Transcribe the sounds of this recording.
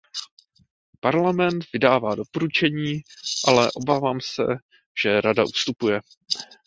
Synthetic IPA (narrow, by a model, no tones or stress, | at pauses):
paɾlamɛnt̪vɪdaːvaːdo̞po̞ɾut͡ʃɛɲiːʔalɛʔo̞baːvaːmsɛ̰ | ʒ̥ɛɾadaʔust̪upujɛ